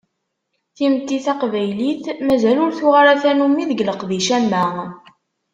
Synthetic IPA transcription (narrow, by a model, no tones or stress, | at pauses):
θimt̪ːiθɑqvæjliθmæzælʊɾθuʁaɾæθænumiðəɡləqðiʃæmːæ